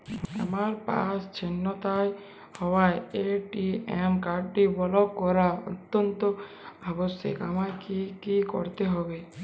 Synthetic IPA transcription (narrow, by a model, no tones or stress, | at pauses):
a̰maɾpa̰st͡ʃʰenːɔt̪aj | hɔwajeʈiemkaɖʈibɔlɔkːɔɾaɔ̰t̪ːɔnt̪ɔ | abɔsjḛkamakikikɔ̰ɾt̪eɦɔbe